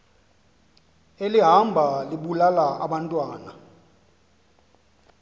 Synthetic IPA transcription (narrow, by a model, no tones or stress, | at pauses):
eliɦambʱaliɓulalaʔaɓantʼwaːna